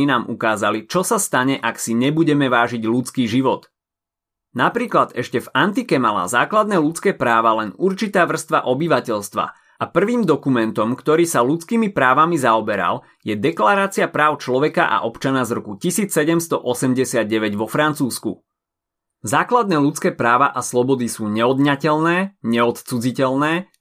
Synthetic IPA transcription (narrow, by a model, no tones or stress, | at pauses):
inaːmʔukaːzalit͡ʃɔsast̪aɲɛʔaksiɲɛbuɟɛmɛʋaːʒiɟlut͡skiːʒiʋɔt̪ | napɾiːklad̪ɛʃcɛvant̪ikɛmala̰ːzaːklad̪nɛːlut͡skɛːpɾaːʋalɛnuɾt͡ʃit̪aːʋr̩st̪ʋaʔɔbiʋacɛʎst̪ʋa̰ | apr̩ʋiːmd̪ɔkumɛnt̪ɔmkt̪ɔɾiːsalut͡skiːmipɾaːʋamizaɔbɛɾa̰l | jɛd̪ɛklaɾaːt͡siapɾaːʊt͡ʃlɔʋɛka̰ʔa̰ʔɔpt͡ʃanazɾɔkucisiːt͡ssɛɟɛmst̪ɔʔɔsɛmɟɛsɪad̪̚ɟɛʋɛɟʋɔfɾant͡suːskṵ | zaːklad̪nɛːlut͡skɛːpɾaːʋaʔaslɔbɔd̪isuːɲɛɔd̪ɲacɛlnɛːɲɛɔt̪t͡sud͡zicɛlnɛː